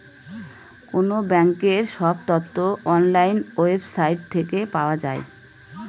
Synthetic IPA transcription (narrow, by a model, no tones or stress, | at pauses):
konobɛŋkeɾʃɔb̚t̪ɔt̪ːoʔɔnlajnoebsajʈ̚t̪ʰekepaoad͡ʑae